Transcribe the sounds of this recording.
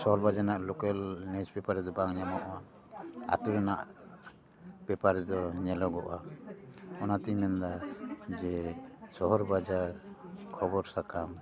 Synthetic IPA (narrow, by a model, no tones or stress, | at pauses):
sɔɦɔɾbad͡ʒanaʔlɔkɛlnɛd͡ʒbɛpaɾɛd̪ɔbaŋɲamɔʔa | a̰t̪uɾɛna̰ʔ | b̥ɛpaɾɛd̪ɔɲɛlɔɡɔʔa | ɔnat̪iɲmɛnd̪ad͡ʒɛsɔɦɔɾbad͡ʒaɾkʰɔbɔɾsakam